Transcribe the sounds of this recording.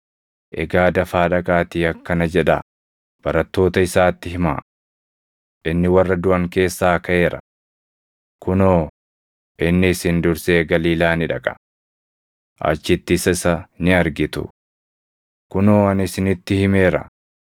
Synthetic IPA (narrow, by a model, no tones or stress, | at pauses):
ʔɛ̰ɡaːd̪ɐfaːᶑɐkʼaːt̪iːɐkːɐnɐd͡ʒɛᶑa̰ | b̥ɐɾɐt̪ːo̞ːt̪ɐɪsaːt̪ːɪhɪma̰ː | ʔʔɪnːɪwɐrːɐd̪ʊʔɐŋke̞ːsːaːkɐʔe̞ːɾɐ̥̰ | kʊnoː | ʔɪnːɪːsɪnd̪ʊɾse̞ːɡɐliːlaːnɪᶑɐkʼɐ̥ | ʔɐ̰t͡ʃːɪt̪ːɪːsɐɪsɐnɪɐɾɡɪt̪ʊ̰ | kʊnoːɐnɪsɪnɪt̪ːɪhɪmeːɾɐ̰